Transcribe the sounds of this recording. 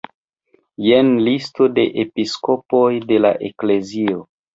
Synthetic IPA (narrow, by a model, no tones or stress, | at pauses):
jenlisto̞de̞ʔepisko̞po̞jde̞la̰ʔe̞kle̞zio